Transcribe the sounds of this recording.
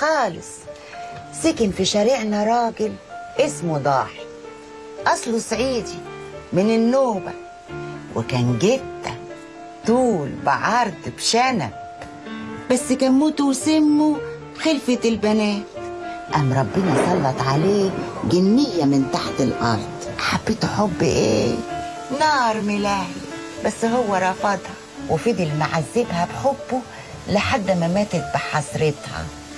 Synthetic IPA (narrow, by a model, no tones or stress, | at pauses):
xɑːlɪ̰sˤ | sɪkɪnfiʃaɾiʕnaɾˤɑːɡɪlʔɪsmud̪ˤɑ̰ːħi̥ | ʔɑsˤlusˤʕiːd̪i | mɪnɪnːoːba̰ | wɪ̰kæːnɡɪd̪a̰ | t̪ˤuːlbɪʕɑɾˤd̪bʃana̰b̚ | basːkaːnmuːt̪uwsɪmːubxɪlfɪt̪ɪlbænæːt̪ʔæmːɾˤɑbːɪnɑsˤɑlːɑt̪ʕaleːɡɪnːɪjːæmɪnt̪aħt̪ɪlʔɑ̰ɾˤd̪̥ˤʔaħab̥ːet̪ħobːʔḛː | nɑːɾˤmɪlæːhi | bæsːhʊwːæɾˤɑfɑd̪ˤhɑ | wɪfid̪ilmaʕazːɪbhæbħobːʊ | lɪħad̪ːmæmæːt̪ɪt̪̚bɪħɑsˤɾɪt̪hɑ̰